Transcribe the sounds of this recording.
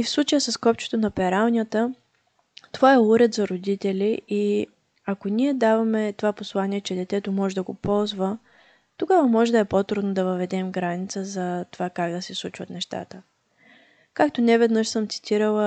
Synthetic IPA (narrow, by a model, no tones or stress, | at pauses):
ifslˠut͡ʃəjəsɐskɔpt͡ʃo̥t̪onɐpɛɾalˠnʲjət̪ə | t̪ovaɛuɾɛt̪zɐɾod̪it̪ɛlʲiʔi | ɐkoniɛd̪avɐmɛt̪ovaposlˠaniɛt͡ʃɛd̪ɛt̪ɛt̪omɔʒɛd̪ɐɡopɔlˠzvə | t̪oɡavəmɔʒɛd̪ɐɛpot̪ɾud̪nəd̪ɐvəvɛd̪ɛmɡɾanit̪səzɐt̪ovakaɡd̪ɐsɛslˠut͡ʃvət̪nɛʃt̪a̰t̪ə | kakt̪onɛvɛd̪nɤʃsɤmt̪si̥t̪ʰiɾəlˠə